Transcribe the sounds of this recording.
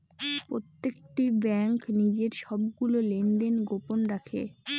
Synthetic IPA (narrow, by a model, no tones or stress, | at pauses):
pɾot̪ːekʈibɛŋknid͡ʑeɾʃɔb̚ɡulolend̪enɡoponɾakʰḛ